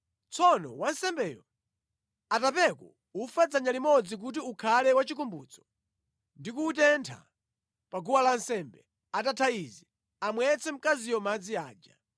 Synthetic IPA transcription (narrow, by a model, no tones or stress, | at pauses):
t͡sʰɔnɔ̰wansɛmbɛːjɔ | atapɛkwɔ̰ | ufad͡zaɲalimɔd͡zik̬ut̬iukʰalɛwat͡ʃik̬umbṵːt͡sɔ̥ | ndikuːtɛntʰa̰ | paɡuwalansɛmbɛ | atatʰaizɛ | amwɛt͡sɛm̩kazijɔmad͡ziaːd͡ʒa